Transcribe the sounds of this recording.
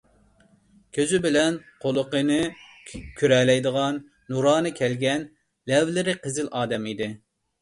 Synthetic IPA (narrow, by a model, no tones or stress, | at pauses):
kʲʰøzybɪlɛnqʰolˠəqənɨ | kʲʰyɾɛlɛjd̪əʁɑnː | uɾɑːnɨkʲʰɛlɡʲɛn | lɛvlɪɾɪqʰəzɪlʔɑːd̪ɛmid̪ɪ